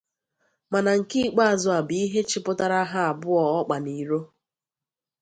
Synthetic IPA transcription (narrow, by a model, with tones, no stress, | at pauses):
ma˨na˨ŋ̩˨ki˦˨k͡pa˦a˨zʊ˦˨a˨bi˦ɦe˦t͡ʃɪ˦pʊ˦ta˦ɾa˦ɦa˦a˨bʊ˦ɔ˨ɔ˦k͡pa˨ni˨ɾo˦